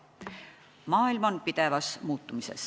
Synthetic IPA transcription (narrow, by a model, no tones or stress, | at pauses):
mɑːilmonpid̪̥e̞vɑsmuːt̪ːˑumise̞̰s